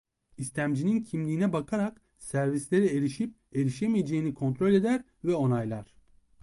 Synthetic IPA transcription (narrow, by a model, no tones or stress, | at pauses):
ist̪ʰʲæmd͡ʒinincʰimlʲiːnɛbakʰaɾak | sæɾvislʲeɾieɾiʃip̚ | e̞ɾiʃemijed͡ʒejinikʰo̞nt̪ɾo̞lʲe̞d̪æɾ | vɛo̞najlˠaɾ̥